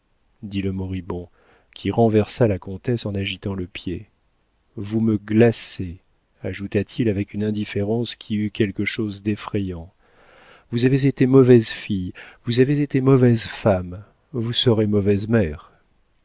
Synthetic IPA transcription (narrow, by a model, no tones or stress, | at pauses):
d̪iləmɔʁibɔ̃ | kʲʰiʁɑ̃vɛʁsalakɔ̃t̪ɛsɑ̃naʒit̪ɑ̃ləpje | vuməɡlase | aʒut̪at̪ʰilavɛkynɛ̃d̪ifeʁɑ̃skʲʰiykʲɛlkəʃozd̪efχɛjɑ̃ | vuzavezet̪emɔvɛzfijvuzavezet̪emɔvɛzfam | vusəʁemɔvɛzmɛːʁ